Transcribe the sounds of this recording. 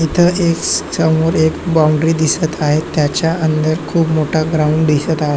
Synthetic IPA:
it̪ʰəʔeksəmoɾekbaũɳɖɾiːd̪isət̪aɦet̪ːjat͡ɕjaʔənd̪əɾkʰuːpmoʈʰaɡɾauɳɖd̪isət̪aɦe

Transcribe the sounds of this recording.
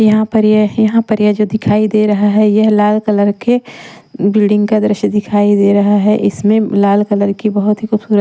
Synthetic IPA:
jɐɦãpɐɾjajɐɦãpəɾjad͡ʒod̪ɪkʰaːid̪eɾɐɦaɦɛjɐɦlaːlkələɾke | bɪlɖɪ̃ŋɡkad̪ɾɪʃəd̪ɪkʰaːid̪eːɾɐɦaɦɛʔɪsmẽlaːlkələɾkibɐɦʊt̪ɦixuːbsuːɾə

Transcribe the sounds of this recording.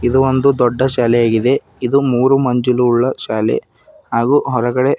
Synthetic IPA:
id̪uond̪ud̪ɔɖːɐʃaːlɛjaːɡid̪e̞ | id̪umuːɾumɐɲd͡ʒuluːɭːɐʃaːlḛ | haːɡuːɦɔɾɐɡɐɽe̞

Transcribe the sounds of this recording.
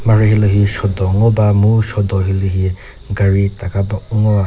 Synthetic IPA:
maɹɯɦilɯɦisɔdɔŋɔbamusɔdɔɦilɯɦi | ɡaɹitakabauŋɔɹa

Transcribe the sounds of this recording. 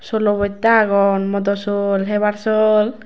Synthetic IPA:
sɔlɔbɔt̪aɡɔnmɔd̪ɔsɔlɦeβaɾsol

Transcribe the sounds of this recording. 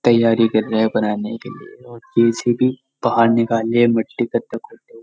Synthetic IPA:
t̪ɐjːaːɾikɐɾːeɦɛ̃bɐnaːnekḛlieɔːɾd͡ʒeːsebʱi | b̥ɐɦaːɾnɪkaːlemɐʈːikɐɾt̪ɐkʰʊʈe

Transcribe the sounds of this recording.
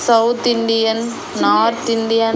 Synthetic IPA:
sɐwt̪ɪɳɖɪjɐnː | aːɾt̪ɪɳɖɪja

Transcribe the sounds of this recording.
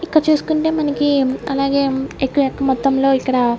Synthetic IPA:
ikːɐɽɐt͡ʃuːsu̥kuɳʈe̞ːmɐnɐkiɐlaːɡe̞ːekːuʋɛkːɐmɔt̪ːɐmlo̞ːikːɐɽɐ

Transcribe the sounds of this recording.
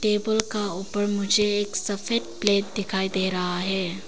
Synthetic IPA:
ʈeːbəlkauːpəɾmʊd͡ʒʱeeːksɐfeʈ̚pleːʈ̚d̪ɪkʰaːid̪eːɾɐɦaɦɛː

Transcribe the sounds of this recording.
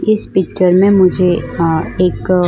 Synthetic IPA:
ɪspɪkt͡ʃəɾmẽmʊd͡ʒʱe | eːk

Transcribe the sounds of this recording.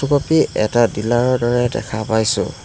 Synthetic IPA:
ukɔpiɛtadilaɹɔɹdɔɹɛdɛ̰kʰapajsʊ̰̃

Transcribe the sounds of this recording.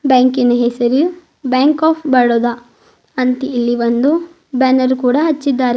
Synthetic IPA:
baːŋkinɐɦesɐɾi | baːŋkaːpʰbɐɽoːd̪ɐ | ɐnt̪iːlːiʋɐnd̪u | bɐnɐɾukuːɽɐɦɐt͡ʃːid̪ːaːɾe

